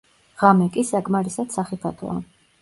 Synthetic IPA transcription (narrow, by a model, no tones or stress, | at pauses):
ʁamɛkʼisakʼmaɾisad̪̥saχipʰat̪ʰɔ̰a̰